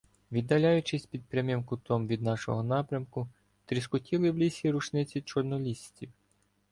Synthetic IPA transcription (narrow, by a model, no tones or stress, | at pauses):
ʋʲid̪ːɐlʲɑjʊt͡ʃɪsʲpʲid̪̚pɾʲamʲimkʊt̪ɔmʋʲid̪nɑʃɔ̰ɦɔnɑpɾʲɐmkʊ | t̪ɾʲiskʊtʲilˠɪwlʲisʲiɾut͡ʃnɪt͡sʲit͡ʃɔrnɔlʲisʲtʲiw